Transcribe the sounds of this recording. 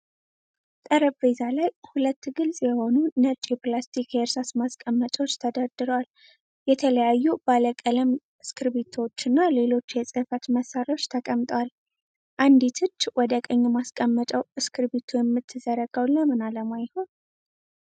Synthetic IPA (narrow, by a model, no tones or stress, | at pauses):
t̪ʼəɾəbvezalajhulət̪ːɡɨlsʼjɛho̞nunət͡ʃʼeplast̪ʰikeɾsasmaskʼəmːət͡ʃʼwot͡ʃːt̪ʰəd̪əɾd̪ɨɾwal | jɛt̪ʰələjajːubaləkʼələm | ɨskɨɾbet̪ʰot͡ʃːɨnːale̞lo̞t͡ʃːjɛsʼɨfət̪məsaɾo̞t͡ʃːt̪ʰəkʼəmt̪ʼwal | ʔand̪it̪ʰɨt͡ʃːwɔd̪əkʼəɲːɛmaskʼəmːət͡ʃʼəwʔɨskʰɨɾbet̪ʰujɛmːɨt̪ʰːɨzəɾəɡəwlːəmɨnaləmajhon